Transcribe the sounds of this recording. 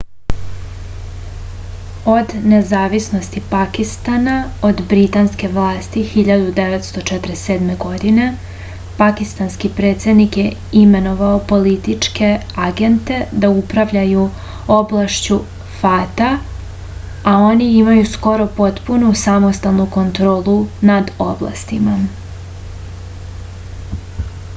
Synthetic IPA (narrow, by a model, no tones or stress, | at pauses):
o̞d̪ne̞zaːʋisno̞st̪ipakist̪anao̞d̪bɾit̪anske̞ʋlˠaːst̪ixiʎad̪ud̪eʋet̪st̪o̞t͡ʃet̪ɾeseːd̪me̞ɡo̞d̪ine̞ | pakist̪anskipɾe̞ːt̪se̞d̪nikje | ime̞no̞ʋaopo̞lit̪it͡ʂke̞ | aɡe̞nt̪e̞d̪aupɾaʋʎaju | o̞blaʃt͡ɕu | fat̪a | ao̞niimajusko̞ɾo̞po̞t̪punusamo̞st̪alˠnuko̞nt̪ɾo̞ːlˠunad̪o̞blˠa̰st̪ima